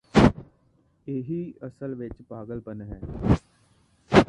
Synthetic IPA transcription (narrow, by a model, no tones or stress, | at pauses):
eːɦiəsəlʋɪt͡ʃpaːɡəlpənɦɛ̃ː